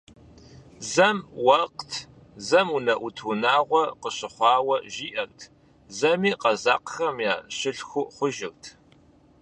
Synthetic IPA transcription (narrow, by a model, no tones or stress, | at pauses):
zɐmwɐqtʰ | zɐmunɐʔutʰunaːʁʷɔqəɕɪχʷɑːwɐʒiːʔɐrtʰ | zɐmiːqɐza̰ːqəxɐmjaːɕɪɬxʷʊχʷʊʒɪrtʰ